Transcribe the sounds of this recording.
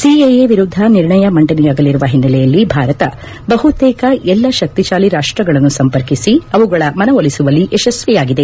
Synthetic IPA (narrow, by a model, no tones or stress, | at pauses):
siejeʋiɾud̪ʱːɐniɾɳɐjɐmɐɳʈɐnɛjaːɡɐlːiɾuʋɐɦinːɐlɛjɐlːibʱaːɾɐt̪ɐ | bɐɦut̪ɛːkɐʔɛlːɐʃɐk̚t̪iʃaːliɾaːʂʈɾɐɡɐɭɐnːusɐmpɐɾkisiɐʋuɡɐɭɐmɐnɐʋolisuʋɐlːiʔɛʃɐsʋɛjaːɡid̪e